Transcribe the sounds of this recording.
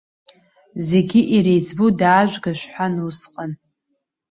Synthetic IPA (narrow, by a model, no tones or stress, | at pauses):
ze̞ɡʲiʔiɾejd͡zbodaːʒᶣʷɡaʃʷħʷanusqʼən